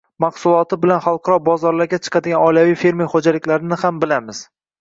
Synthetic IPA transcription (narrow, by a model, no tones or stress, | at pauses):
mɑqsʊlˠɒt̪ʰɪbɪlanχɑlˠqʰɑɾɒbɒzɒɾlaɾɡʲat͡ʃʰɨ̥qʰɑd̪ɪɡʲanɒjlavijfe̞ɾmijχod͡ʒalɪkʲlaɾɪnɪhambɪlamɪz̥